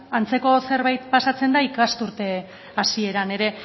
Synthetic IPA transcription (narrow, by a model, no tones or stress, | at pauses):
ant͡se̞ko̞se̞ɾβajt̪pasat͡se̞nd̪aikast̪uɾt̪e̞ | asie̞ɾane̞ɾe̞